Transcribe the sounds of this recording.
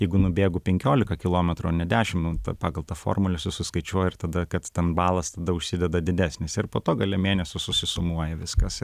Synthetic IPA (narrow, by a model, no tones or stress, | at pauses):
jɛɪɡʊnʊbʲeːɡʊpʲɛŋʲkʲoːlʲɪkɐkʲɪlˠoːmʲɛt̪ɾʊoːnʲɛd̪ʲæːʃʲɪmt̪ɐ̰pɑːɡɐlˠt̪ɐfo̰ːrmʊlʲɪsʊsʊskɐɪt͡ʃʲuɔjɪrt̪ɐd̪ɐkɐt̪t̪ʲɛnbɑːlˠɐst̪ɐd̪ɐʊʃʲsʲɪd̪ʲɛd̪ɐd̪ʲɪd̪ʲæːsʲnʲɪsɪrpoːt̪oːɡɐlʲɛmʲeːnʲɛsʲʊsʊsʲɪsʊmuɔjɛʋʲɪskɐs